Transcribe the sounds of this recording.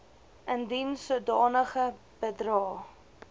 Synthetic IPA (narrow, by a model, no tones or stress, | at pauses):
əndinsudɑːnəχə | b̥ədrɑː